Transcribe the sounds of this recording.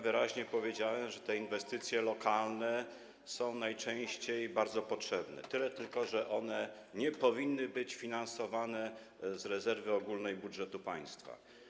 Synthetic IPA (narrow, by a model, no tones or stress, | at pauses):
vɘɾaʑɲɛpɔvʲjed͡ʑawɛmʐɛt̪ɛinvɛst̪ɘt̪sʲjɛlɔkʰalnɛ | sɔ̃w̃najt͡ʂɛ̃w̃ɕt͡ɕejbaɾd̪zɔpɔtʂɛbnɛ̰t̪ɘlɛt̪ɘlkɔʐɛʔɔnɛ | ɲɛpɔvʲinːɘbɘt͡ɕfʲinansɔvanɛ | zɾɛzɛɾvɘɔɡulnɛjbudʐɛt̪upaj̃st̪fa̰